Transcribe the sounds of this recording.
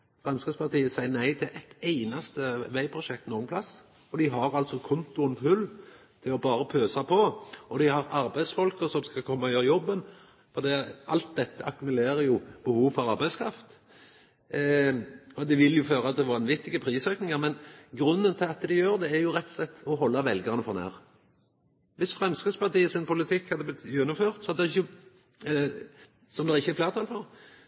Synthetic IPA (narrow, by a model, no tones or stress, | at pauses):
fʁɑnskəspɑʁt̪ʰiːəsæɪənæɪt̪ʰɪlʔɛt̪æɪnɑst̪əʋæɪpʰʁʊʃɛk̚t̪nuːɡənpʰlɑs | ɔd̪ɪɦɑɾɑlt̪sɔkʰʊnt̪ʊɛnpʰʉl | t̪ʰɪlɔbɑːɾəpʰøːsɑpʰɔɔd̪ɪhɑɾɑɾbæɪsfɔlkəsɔmskɑkʰɔmːɑœːʋɾjɔbːən | fɔʁd̪iːʔɑlt̪̚d̪ɛt̪ːəʔɑkʉmʉleːɾəjʊb̥əhuːʋfɔɾɑɾbæɪskʰɾɑft̪ | ɔd̪ɪʋɪljʊføːɾɑt̪ːɛʋɑnʋɪt̪ːɪɡəpʰɾiːsøːknɪŋəɾmɛnɡɾʉnːənt̪ʰɪlɑt̪d̪ɪjøːɾd̪ɛæɾjʊɾɛt̪ːɔslɛt̪ːɔɦɔlːɑʋɛlɡɑʁənəfɔʁnæ̰ːʁ | ʋɪsfɾɛmsk̪spɑʁt̪iːəsɪnpʰʊlɪt̪ʰɪkːhɑd̪ːəblɪt̪ːjʉnːʊmføːʁt̪sɔɑd̪ɛʁɪçːə | sɔmd̪ɛʁɪçːəɛfleːʁt̪ʰɑlfɔɾ